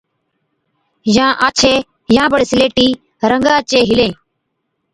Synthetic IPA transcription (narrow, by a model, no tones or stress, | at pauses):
jãːʔaːt͡ʃʰeː | jãːbəɽsɪleːʈiː | ɾəŋɡãːt͡ʃeːɦɪlẽː